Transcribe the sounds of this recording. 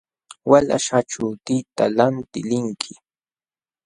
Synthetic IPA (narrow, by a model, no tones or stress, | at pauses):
wala̰ʃaʈ͡ʂʊt̪ɪt̪alant̪ɪlɪŋkʰɪ̥